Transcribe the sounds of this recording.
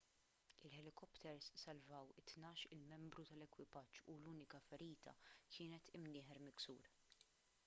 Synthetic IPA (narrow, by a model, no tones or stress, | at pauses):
ɪlħɛlɪkɔpt̪ʰɛɾsːɐlvɐwɪt̪nɐːʃɪlmɛmbɾut̪ɐlɛkwɪpɐd͡ʒːuluːnɪkɐfɛɾiːt̪ʰɐ̰kʰɪːnɛt̪ɪmnɪːħɛɾmɪksṵːɾ